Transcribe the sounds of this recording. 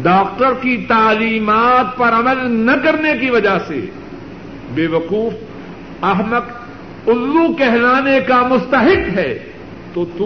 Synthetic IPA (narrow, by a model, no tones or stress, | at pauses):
ɖaːk̚ʈəɾkit̪aːliːmaːt̪̚pɐɾɐməlnɐkɐɾnekiʋɐd͡ʒasḛ | beːʋɐquːf | ɐɦmək | ʊlːukɛɦlaːnekamʊst̪əɦɪkɦɛː | t̪oːt̪u